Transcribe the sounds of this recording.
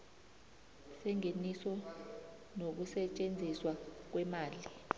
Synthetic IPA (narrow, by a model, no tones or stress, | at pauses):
sɛŋenisɔ | nok̬usɛt͡ʃʼend͡zʱiswak̬wɛmaːli